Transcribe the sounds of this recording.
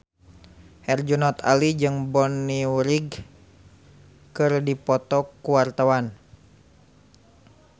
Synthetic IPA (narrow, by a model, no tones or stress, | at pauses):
hɛrd͡ʒunɔt̪a̰lid͡ʒɨŋbɔnːiwɾiɡ | kɨrdipɔt̪ɔkuwart̪awan